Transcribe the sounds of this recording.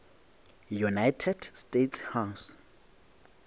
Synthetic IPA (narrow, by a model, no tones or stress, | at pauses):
junajtʰɛdstetʰshaws